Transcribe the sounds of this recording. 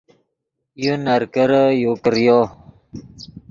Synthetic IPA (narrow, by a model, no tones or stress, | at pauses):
junəɾkəɾəjokɾjo